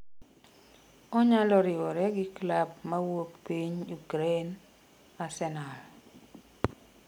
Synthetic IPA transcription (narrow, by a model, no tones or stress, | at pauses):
ɔɲalɔɾɪwɔɾɛɡɪklab̚mawopːiɲuɡɾen | asɛnal